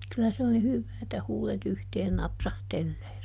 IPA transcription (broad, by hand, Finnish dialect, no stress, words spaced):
kylæ se on ni hyʋːæː etːæ huːlet yhteːn nɑpsɑhtelːeː